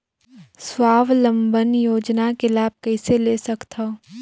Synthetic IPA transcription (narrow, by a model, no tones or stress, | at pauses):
swaːʋlə̃mbənjoːd͡ʒnakelaːb̚kɐɪseleːsɐkt̪ʰa